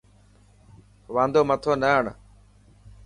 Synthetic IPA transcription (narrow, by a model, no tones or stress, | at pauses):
ʋãːnd̪oːmət̪ʰoːnəɦəɳ